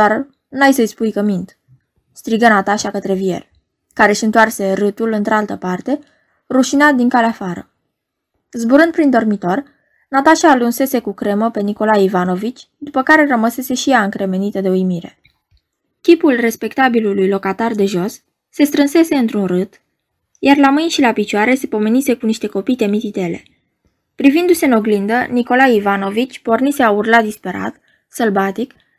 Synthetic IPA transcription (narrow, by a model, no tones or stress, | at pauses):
d̪ar | najsəjspujkəmint̪ | st̪ɾiɡənat̪aʃakət̪ɾe̞vie̞̰r | kaɾe̞ʃiɨnt̪oarse̞ɾɨt̪ulɨnt̪ɾealt̪əpart̪e̞ | ruʃinat̪̚d̪iŋkaleafaɾə̰ | zbuɾɨnd̪̚pɾind̪o̞rmit̪o̞r | nat̪aʃaːlunse̞se̞kukɾe̞məpe̞niko̞lajivano̞vit͡ʃʲ | d̪upəkaɾe̞rəməse̞se̞ʃijaɨŋkɾe̞me̞nit̪əd̪e̞ujmiɾe | kʲipulre̞spe̞kt̪abilulujlo̞kat̪ard̪e̞ʒo̞sː | e̞st̪ɾɨnse̞se̞ɨnt̪ɾunrɨt̪ | jarlamɨjnʃilapit͡ʃuaɾe̞se̞po̞me̞nise̞kuniʃt̪e̞ko̞pijt̪e̞mit̪it̪e̞le̞̰ | pɾivind̪use̞ɨno̞ɡlind̪əniko̞lajivano̞vit͡ʃʲpo̞rnise̞aurlad̪ispe̞ɾa̰t̪ | səlbat̪ik